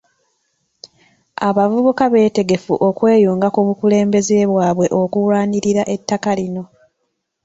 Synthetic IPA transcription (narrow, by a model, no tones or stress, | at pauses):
aβavuβukaβe̞ːte̞ɡe̞fṵʔo̞kwe̞ːjuːŋɡakuβukule̞ːmbe̞ze̞ːβwaːβwe̞ʔo̞kuwwaːniɾiɾaʔe̞tːakalino̞